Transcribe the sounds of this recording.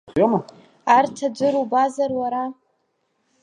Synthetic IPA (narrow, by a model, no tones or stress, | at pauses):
χoma | artʰad͡ʒʷɨɾubazarwaɾa